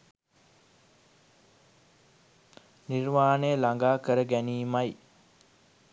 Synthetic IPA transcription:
nirmaːnəjəlaŋɡaːkəɾəɡæniːmaj

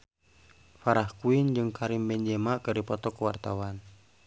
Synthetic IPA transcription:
faɾahkuind͡ʒɨŋkaɾimbɛɲd͡ʒɛmakɨrdipɔt̪ɔkwart̪awan

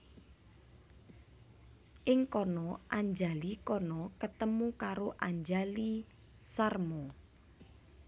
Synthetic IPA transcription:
ʔɪŋkɔnɔʔaɲd͡ʒalikɔnɔkət̪əmukaɾoʔaɲd͡ʒali | sarmɔ

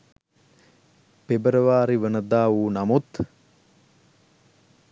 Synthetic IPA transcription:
pebəɾəʋaːɾiʋənəd̪aːuːnamut̪

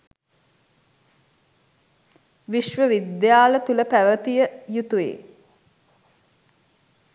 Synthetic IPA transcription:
ʋiʃʋəʋid̪jaːlət̪uləpæʋət̪ijəjut̪uḛː

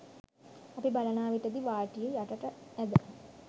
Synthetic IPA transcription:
apibalɐnaːʋiʈəd̪iʋaːʈijəjaʈəʈəæd̪ə

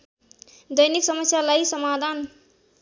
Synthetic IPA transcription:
d̪ʌjniksʌmʌsjalajsʌmad̪ʱan

